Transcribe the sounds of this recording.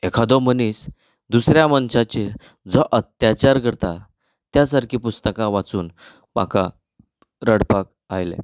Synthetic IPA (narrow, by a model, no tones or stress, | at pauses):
ekʰad̪ɔmənis | d̪usɾjamənɕat͡ɕiɾ | d͡zɔʔət̪jat͡ɕaɾkəɾt̪a | t̪jasaɾkʰiːpust̪əkãʋat͡suːn | pa̰ka̰ | ɾəɽpak | ajlḛ